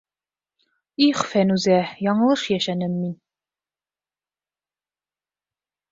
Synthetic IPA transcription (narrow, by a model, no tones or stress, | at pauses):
iχfænʉzæjɒɴɤ̆lˠɤʃjæʃænɘmːin